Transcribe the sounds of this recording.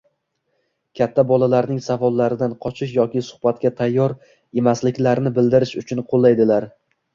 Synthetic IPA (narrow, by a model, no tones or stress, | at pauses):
kʲʰat̪ʰːabɒlalaɾnɪŋsavɒlˠːaɾɪd̪anqʰɒt͡ʃʰɪʃjɒkʲɪsʊ̥hbat̪kʲat̪ʰajːɒɾ | e̞maslɪkʲlaɾnɪbɪld̪ɪɾɪʃʊt͡ʃʰʊnqʰolˠːajd̪ɪlaɾ